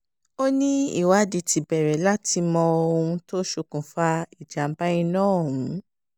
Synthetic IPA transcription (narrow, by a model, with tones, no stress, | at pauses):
o˦nĩ˦ḭ˦˨wa˨˦˨di˨˧ti˨bɛ˨ɾɛ˨la˦ti˧mɔ̃˧o˧ũ˧to˦ʃu˧kũ˨fa˧i˨d͡ʒa˨m̩˦ba˦ĩ˧nãː˦˨ũ˨˦